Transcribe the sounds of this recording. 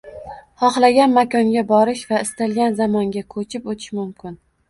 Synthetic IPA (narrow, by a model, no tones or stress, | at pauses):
hɒχlˠaɡʲanmakʰʲɒŋɡʲabɒɾɪʃvaɪst̪alˠɡʲanzamɒŋɡʲakʰɵt͡ʃʰɪpot̪ʰɪ̥ʃmʊmkʲʰɪn